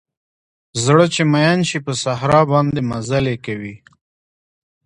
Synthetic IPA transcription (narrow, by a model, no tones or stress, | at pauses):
zɽət͡ʃemajanʃipəsaɦɾɑbɑnd̪emazalekawi